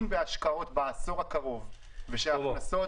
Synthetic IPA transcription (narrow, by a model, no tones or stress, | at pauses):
mbeaʃkao̞t̪baːso̞ʁhakaʁo̞v | veʃeaaso